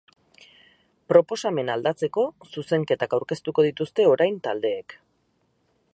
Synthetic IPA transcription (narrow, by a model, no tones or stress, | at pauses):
pɾo̞po̞same̞nald̪at͡se̞ko̞suse̞ŋke̞t̪akawɾke̞st̪uko̞ðit̪ust̪e̞o̞ɾajnt̪ald̪e̞ːk